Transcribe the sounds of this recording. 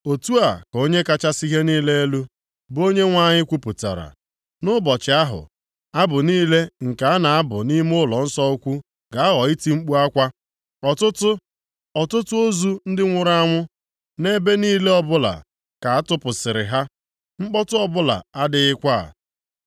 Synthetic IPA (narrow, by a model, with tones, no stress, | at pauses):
o˨tu˦a˨ko˦ɲe˦ka˦t͡ʃa˦si˦ɦe˦niː˦le˦e˦lu˦ | bo˦ɲe˦ŋʷa˦ɲɪ˦kʷu˦pʊ˨ta̰˨ɾa̰˨ | nʊ˦bɔ˨t͡ʃɪ˨a˦ɦʊ̰˨ | a˦bʊ˨niː˦le˦ŋ̩˨ka˨a˦na˨a˦bʊ̰˨ni˦m˦ʊ˦lɔ˨n̩˦sɔ˦u˦kʷu˦ | ɡa˨a˦ɦɔ˨i˦ti˦ŋ͡m̩˦k͡pu˦a˦kʷa˦ | ɔ˨tʊ˦tʊ˦ | ɔ˨tʊ˦tʊ˦o˦zu˦n̩˦dɪ˦ŋʷʊ˦ɾa˦ŋʷʊ˦ | ne˦be˦niː˦le˦ɔ˦bʊ˦la̰˨ | ka˨a˦tʊ˦pʊ˨sɪ˨ɾɪ̰˨ɦa˦ | ŋ͡m̩˦k͡pɔ˦tʊ˦ɔ˦bʊ˦la̰˨a˦dɪ˨ɪ˦kʷa˦a̰˨